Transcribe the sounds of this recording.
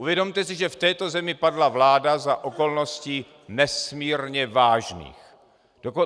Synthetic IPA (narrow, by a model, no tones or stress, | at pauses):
ʔuvjɛdo̞mt̪ɛsɪʒɛft̪ɛːt̪o̞zɛmɪpadlavlaːdazaʔo̞ko̞lno̞sci | nɛsmiːɾɲɛvaːʒnḭːx | d̥oko